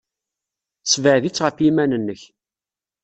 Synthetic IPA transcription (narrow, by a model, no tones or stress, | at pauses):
svəʕðit͡sːʁəfimænənːəç